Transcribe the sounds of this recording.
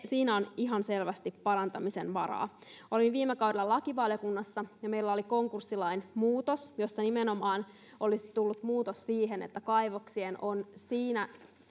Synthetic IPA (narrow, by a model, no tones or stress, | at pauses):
siːnæoniɦɑnse̞lʋæst̪ipːɑɾɑnt̪ɑmisḛnʋɑɾɑ̰ːʔo̞linʋiːmekɑwdelːɑlɑkiʋɑljokunːɑsːɑjɑme̞ilːæo̞liko̞ŋkursːilɑinmuːt̪osjo̞sːɑnimeno̞mɑːn | ʔo̞lisi̥t̪ulːut̪muːt̪ossiːɦenḛt̪ːækɑjʋoksieno̞nsiːnæ